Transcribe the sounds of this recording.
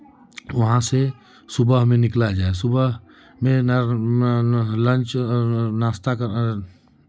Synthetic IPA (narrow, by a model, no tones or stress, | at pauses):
wəɦãse | subəɦmenɪklad͡ʒaesubəɦ | mẽn | lə̃nt͡ʃnast̪ak